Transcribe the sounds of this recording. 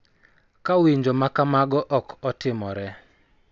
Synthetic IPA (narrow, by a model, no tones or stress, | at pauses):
kawiɲd͡ʒomakamaɡɔʔɔkʰɔtɪmɔɾɛ